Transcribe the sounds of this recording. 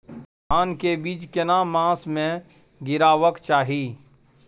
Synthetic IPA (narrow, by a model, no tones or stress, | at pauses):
paːnkebiːt͡ʃkenamãːsmẽ | ɡɪɾaːʋəkt͡ʃaːɦiː